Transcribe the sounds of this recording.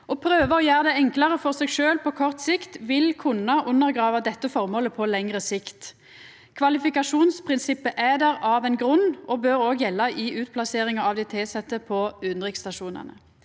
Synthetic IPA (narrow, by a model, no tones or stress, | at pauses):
ʔɔːpʰɾøːʋəɔjæːʁəd̪ɛɛŋklɑʁəfɔʁseːɡʃøːlpʰɔkʰɔʁt̪sɪkt̪ʋɪlkʰʊnɑʔʊnːəʁɡʁɑːʋɑd̪ɛt̪ːəfɔʁmoːləpʰɔlɛŋʁəsɪkt̪ | kʰʋɑlɪfɪkɑʂuːnspʰʁɪnsɪpːəʔæd̪æɾɑʋɛnɡʁʉnːɔbøːɾoːɡjɛlːɑʔɪʔʉːt̪̚pʰlɑseːʁɪŋɑɑʋd̪ɛt̪ʰeːsɛt̪ːəpʰɔʉnʁɪkst̪ɑʃuːnə̰nə̰